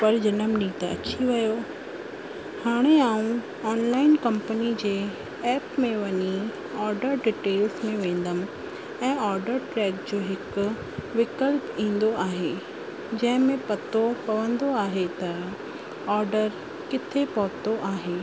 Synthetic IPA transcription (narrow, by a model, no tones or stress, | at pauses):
pɐɾd͡ʑɐnəmniːt̪ɐ̰t͡ɕʰiʋɐjo | haːɽ̃eaːũ | ɔːnlaːɪnkɐ̃mpənid͡ʑeː | ɛːpmẽʋɐɲi | ɔːɾɖəɾɖiʈeːlsmẽʋẽːn̆d̪əm | ɛ̃ːɔːɾɖəɾʈɾɛːkd͡ʑoːɦɪkʊ | ʋɪkəlpĩːn̆d̪oaːɦe | d͡ʑɐ̃ɦɪ̃mẽpɐt̪opɐʋə̃nd̪oaːɦet̪ɐ | ɔːɾɖəɾ | kɪt̪ʰepɔɦt̪oʔaːɦeː